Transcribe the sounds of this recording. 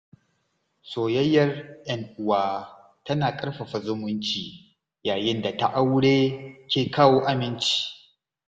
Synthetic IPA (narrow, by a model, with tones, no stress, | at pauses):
soː˨jɐ˦jːɐ˦rʔɐ˦ŋʔʊ˨waː˦ | tɐ˦naː˨kʼɐ˦ɽɸa˨ɸɐ˨zʊ˦mʊ˦nt͡ʃiː˨ | jaː˨jɪ˦nda˨ta˦ʔa˦wɽeː˦kʲeː˨kaː˦woː˦ʔa˦mɪ˦nt͡ʃi̥ː˦